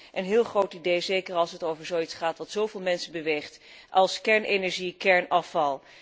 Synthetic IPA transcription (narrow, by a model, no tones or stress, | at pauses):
ʔənɦɪːlˠχrowtidejzejkəɹɑlˠsɦətowvəɹzowitsχaːtʋɑtsowvɪːlˠmɛnsəbəʋejχt | ʔɑlˠskɛɹnenɛɹʒikɛɹnɑfɑlˠ